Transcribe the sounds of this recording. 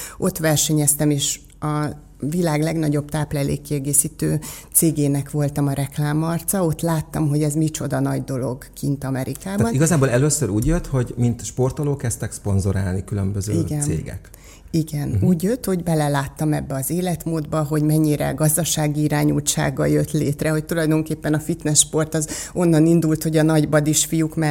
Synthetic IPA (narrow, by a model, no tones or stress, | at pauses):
ʔo̞t̪ʋɛrʃɛɲɛst̪ɛmeːʃ | ɒ | vilaːɡlɛɡnɒɟo̞bt̪aːplɛlḛːkːiɛɡeːsiːt̪øːt̪seːɡeːnɛkʋo̞lt̪ɒmɒɾɛklaːmɒrt̪sɒo̞t̪laːt̪ːɒmɦo̞ɟɛzmit͡ʃo̞d̪ɒnɒɟd̪o̞lo̞̰ɡkint̪ɒmɛɾʔikaːb̪ɒniɡɒzaːbolɛløːsøɾuːɟjøt̪ho̞ɟmint̪ʃpo̞rt̪oloːkːɛst̪ɛkspo̞nzoɾa̰ːlnikylømbøzøiɡɛnḛːɡɛ̰k | iɡɛnuːɟjøt̪ːho̞ɟbɛlɛlaːt̪ːɒmɛbːɛɒzeːlɛt̪moːd̪bɒɦo̞ɟmɛɲːiɾɛ̰ɡɒzd̪ɒʃaːɡiiɾaːɲut͡ʃa̰ːɡːɒ̰jø̞t̪leːt̪rɛho̞c̚t̪ulɒjd̪o̞ŋkeːpːɛnɒfit̪nɛsʃpo̞rt̪ɒzo̞nːɒnind̪ult̪ho̞ɟɒnɒɟbɒd̪iʃfijukmɛ